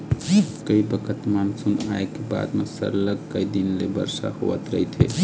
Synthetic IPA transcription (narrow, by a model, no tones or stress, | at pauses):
kəibəkʰət̪mansunaekeba̰d̪mesə̰ɾləɡ̚kəid̪inlebə̰ɾsa̰ho̰ʋə̰t̪ɾəɦit̪ʰḛ